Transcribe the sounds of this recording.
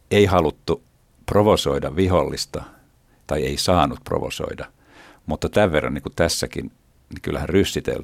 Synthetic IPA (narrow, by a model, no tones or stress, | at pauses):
eihɑlut̪ːu | proʋosoidɑʋʋiholːist̪ɑ | t̪ɑieisɑːnut̪̚pro̰ʋo̰so̰idɑ | mut̪ːɑt̪æʋʋerːɑ̰niːkut̪æsːækḭn | nikylːæhænrysːit̪ḛl